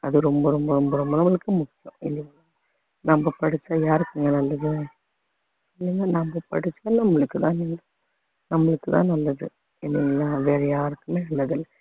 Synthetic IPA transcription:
ɐðɯɾɔmbɐɾɔmbɐɾɔmbɐɾɔmbɐnɐmːɐɭɯkːɯmʊkːɪjɐ̰̃ɪ̰lːɛŋɡɐa | nɐmbɐpɐɽɪt͡ʃːaːjaːɾɯkːɯŋɡɐnɐlːɐðɯ | ɪlːɛŋɡaːnɐmbɐpɐ̰ɽɪt͡ʃːaːnɐmːɐɭɯkːɯt̪ãːnɪŋɐ | nɐmːɐɭɯkːɯt̪ã̰ːnɐlːɐðɯ | ɛnːɪŋɡɐlːaʋeːɾɐjaːɾɯkːɯmeːlːɐðɯlːɐ

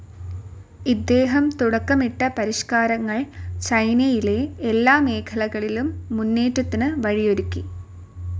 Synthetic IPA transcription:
id̪ːe̞ːɦɐmt̪uɽɐkːɐmiʈːɐpɐɾiʂkaːɾɐŋːɐɭt͡ɕɐjnɐjile̞elːaːme̞ːkʰɐlɐɣɐɭilumːunːe̞ːʈːɐt̪ːinɨʋɐɻijo̞ɾukʲːi

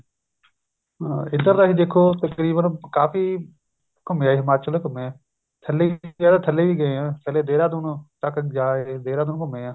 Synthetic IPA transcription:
ɪnd̪əɾd̪aːɦiːd̪eːkʰoːt̪əkɾiːbənkaːfiː | kʊmẽːaːɦɪmaːt͡ʃəld̪aːkʊmeːɛː | t̪ʰəleːaːd̪aːt̪ʰəlːeːʋiːɡəeːãːt̪ʰəleːd̪eːɾaːd̪ʊnt̪əkd͡ʒaːeːd̪eːɾãːd̪ʊñːkʊmeːãː

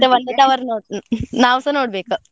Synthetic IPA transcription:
eʋɐnd̪ɐt̪aʋɐɾnonaːʋsɐnoːɽbeːkɨ

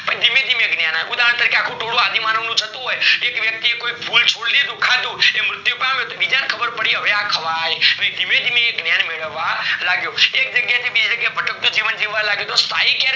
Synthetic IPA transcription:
pənĩd̪ʱimẽd̪ʱimeɡnjanajʔud̪aɦəɳt̪əɾikeakʰũʈ̪ʰoɽũad̪imanəʋnũd͡ʒʰʱət̪ũɦojekʋjək̚t̪iekoipʰult͡ʃʰoɽled̪ũkʰad̪ũemɾʊt̪jupamjot̪obid͡ʒankʰəbəɾpəɽiɦəʋeakʰəʋajʋə̃ĩd̪ʱimẽd̪ʱimẽeɡnjanmeɭəʋːalaɡjoek̚d͡ʒəɡjat̪ʰibid͡ʒd͡ʒəɡjabʱəʈək̚t̪ũd͡ʒiʋənd͡ʒiʋːalaɡjot̪ost̪aikjã

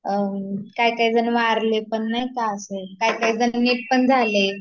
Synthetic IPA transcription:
kaikaɦiːd͡zənʋaɾlepəɳːaɦjkaəsekaikaɦiːd͡zənniʈ̚pəɳd͡zʱale

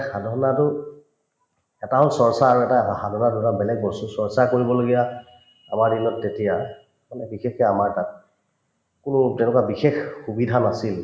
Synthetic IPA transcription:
xadʱɔɹɔnatʊ | ɛtaɦɔlsɔɹsaaɹuɛtaxadʱɔɹɔnatʊɛtabɛlɛɡ̚bɔsusɔɹsakoɹibɔloɡija | a̰maɹdinɔtːetija | manɛbixexɛamaɹtat̚ | kʊnʊtɛʊ̃nʊkabixexxubidʱanasil

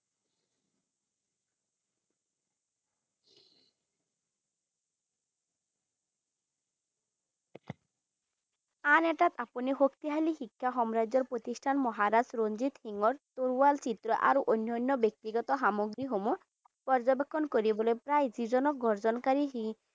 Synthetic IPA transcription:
anɛʈat̪apuniɦokt̪iɦaliɦikʰːaɦɔmɾaɔɾpɾot̪isʈʰanmɔɦaɾad͡ʑɾond͡ʑit̪hiŋɔɾt̪oɾualt͡ɕit̪ɾɔʔa̰ɾoʔonːɔnːɔbek̚t̪iɡɔt̪ɔɦamoɡɾiɦomuɾ | pɔɾd͡ʑɔbekʰːɔnkoɾibɔlepɾajd͡ʑid͡ʑɔnɔk̚ɡʱɔɾd͡ʑɔnkaɾiɦi

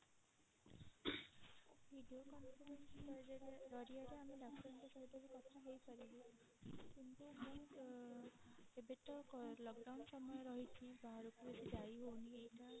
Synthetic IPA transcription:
bʱiɖiokɔnpʰɔɾensɔeɾɔɾiaɾeamilakʰsɔɾɔntɔsɔd̪ebikɔt̪ʰaɦejpʰaɾibu | kint̪umo | ebetɔklɔkɖawnsɔmɔjɔɾɔɦit̪ʰibaɾukubɔdidajɦowniejta

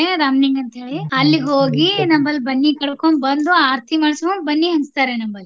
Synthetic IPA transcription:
eɾaːmniŋɡɐnt̪ɦe̞ːɭiɐlːiɦoːɡinɐmbɐlbɐnːikɐɽkombɐnd̪uaːɾt̪ʰimaːɽskombɐnːiɦɐnst̪aːɾenɐmbɐl

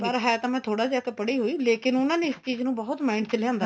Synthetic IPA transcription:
pəɾɦɛːt̪ãːmɛ̃ːt̪ʰoːɽaːd͡ʒakpəɽiːɦoːiːleːkɪnʊnãːneːɪst͡ʃiːznũːbɔːʊt̪maːɪɳɖt͡ʃəlɪjãːnd̪a

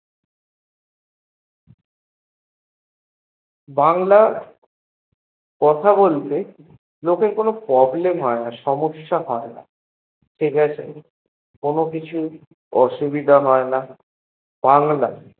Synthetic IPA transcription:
baŋla | kɔt̪ʰabolt̪e | lokeɾkonopɾɔblemɦɔenaʃɔmoʃːaɦɔena̰ | ʃeɡɛt͡ɕʰe | konokit͡ɕʰu | ɔʃubid̪ʱaɦɔena | b̥aŋla̰

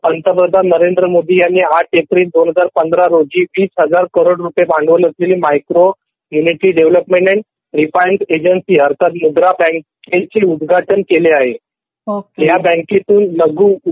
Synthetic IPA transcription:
pənt̪əpɾəd̪ʱanəɾend̪ɾəmod̪ʱiːjanːiːaʈet̪ɾiːsd̪onɦəd͡zaɾpənd̪ɾaɾoɡiːʋiːsɦəd͡zaɾkəɾoɽɾupjebaɳɖʋələsleliːmajkɾo | juniʈɾiːɖeʋləpmẽɳʈɛɳʈ | ɾifajnsed͡ʑənsiːɦəɾt̪ʰat̪mud̪ɾabə̃ket͡seud̪ɡʱaʈənkeleaɦe | ojjabə̃ket̪uːnləɡuː

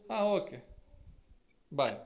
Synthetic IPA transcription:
aoke | baj

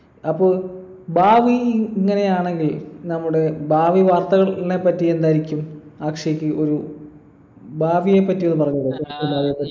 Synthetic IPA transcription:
ɐpːoːɭ | baːʋiiŋːɐne̞jaːɳe̞ŋɡilnɐmːuɽe̞baːʋiʋaːrt̪ɐɣɐɭnepːɐtːie̞nd̪aːjiɾikʲːumaːkʂɐjikʲːɨo̞ɾu | baːʋije̞pːɐtːijonːɨpɐrɐɲːɐðɨebaːʋijepːɐi

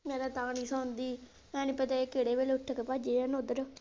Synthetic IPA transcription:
mɛːɾaːt̪aːniːsaːnd̪iː | mɛ̃ːnũːpət̪aːekeːɽeːʋeːlʊʈʰːəkepad͡ʒeãːnod̪əɾo

